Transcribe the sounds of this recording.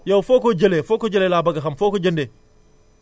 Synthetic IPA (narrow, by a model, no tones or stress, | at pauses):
jowfokod͡ʒɐlefoːkod͡ʒɐlelaːbɐɡɐxɐmfokod͡ʒɐnde